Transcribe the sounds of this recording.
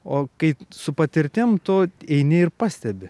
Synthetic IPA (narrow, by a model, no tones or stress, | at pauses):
oːkɐɪsʊpɐt̪ʲɪɾʲt̪ʲɪmt̪oːɛɪnʲeɪɾpɑːsʲt̪ʲɛbʲɪ